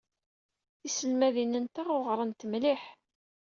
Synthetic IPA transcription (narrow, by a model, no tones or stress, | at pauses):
θisəlmæðinənt̪æʁoʁɾˤənt̪əmliħ